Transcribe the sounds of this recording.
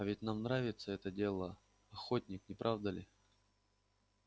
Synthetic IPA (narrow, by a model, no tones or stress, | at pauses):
ɐvʲɪt̚ʲnamnɾavʲɪt̪səɛt̪ədʲe̞lˠə | ɐxotʲnʲɪknʲɪpɾʔavd̪əlʲɪ